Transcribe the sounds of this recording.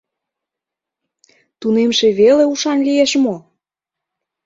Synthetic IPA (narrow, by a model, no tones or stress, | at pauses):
t̪unemʃeβeleuʃɑnlijeʃmo